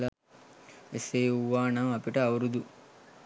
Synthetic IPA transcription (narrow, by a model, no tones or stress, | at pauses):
a | eseːuʋːaːnaŋɐpiʈəɐʋɾud̪u